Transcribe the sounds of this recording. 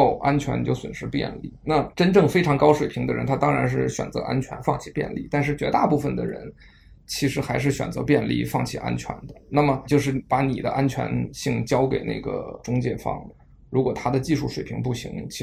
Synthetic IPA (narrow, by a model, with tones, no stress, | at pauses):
ʊʔa˥nt͡ɕʰɥɛ̰˧˥nt͡ɕjo˥˩ʊswə̰˨˩nʂɻ̩˧˥pjɛ̰˥˧nlḭ˥˩na˥˩ʈ͡ʂə˥nʈ͡ʂɤ˥˩ŋfe˥ɪʈ͡ʂʰɑ˧˥ŋkɑ˥ʊʂwe˨˩ɪpʰi˧˥ŋd̪ə˧ɻə̰˧˥nt̪ʰa˥t̪ɑ˥ŋɻa˧˥nʂ̬ɻ̩˥˩ɕɥɛ̰˨˩nt͡sɤ̰˧˥ʔa̰˥nt͡ɕʰɥɛ̰˧˥nfɑ˥˩ŋt͡ɕʰi˨˩pjɛ̰˥˧nlḭ˥˩t̪a˥˧nʂ̬ɻ̩˥˩t͡ɕɥɛ˧˥t̪a˥˧pu˥˩fə˩nd̪ə˩ɻə̰˧˥n | t͡ɕʰi˧˥ʂɻ̩˧˥xa˧˥ɪʂ̬ɻ̩˥˩ɕɥɛ̰˨˩nt͡sɤ̰˧˥pjɛ˥˧nlḭ˥˩fɑ˥˩ŋt͡ɕʰi˨˩ʔa̰˥nt͡ɕʰɥɛ̰˧˥nd̪ə˧na˥˩mə˩t͡ɕjo˥˧ʊʂ̬ɻ̩˥˩pa˧˥ni˨˩d̪ə̰˦ʔa˥nt͡ɕʰɥɛ̰˧˥nɕi˥˩ŋt͡ɕjɑ˥ʊke˨˩ɪnḛ˥˩ɡə̰˩ʈ͡ʂʊ˥ŋt͡ɕjɛ̰˥˩fɑ̰˥˩ŋ | ɻu˧˥kwɔ˨˩t̪ʰa˥d̪ə˨t͡ɕi˥˧ʂu˥˩ʂwe˨˩ɪpʰi˧˥ŋpu˥˩ɕḭ˧˥ŋt͡ɕʰi˧˥